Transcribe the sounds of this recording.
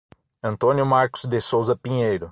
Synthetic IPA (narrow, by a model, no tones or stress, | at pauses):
ɐ̃nt̪õnjʊmaɾkʊ̥zd̪esowzɐpĩɲejɾʊ